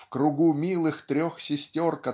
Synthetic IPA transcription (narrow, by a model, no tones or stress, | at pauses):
fkɾʊɡumʲilˠɨxt̪ɾʲoxsʲɪsʲtʲo̞rkɐ